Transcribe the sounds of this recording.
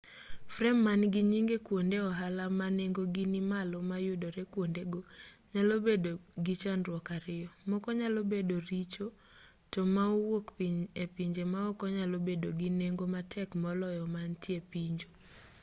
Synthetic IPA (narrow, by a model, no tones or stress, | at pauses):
frɛmːanɡiɲiŋɡekwondeɔɦalamaneŋɡoɡinimalɔmajʊdoɾekwondeɡoɲalobedoɡit͡ʃanrwɔkaɾɪjɔmɔkɔɲalobedoɾit͡ʃo | tɔmauwokpiɲepiɲd͡ʒemaɔkɔɲalobedoɡineŋɡomatʰɛkmɔlɔjɔmantjepiɲd͡ʒo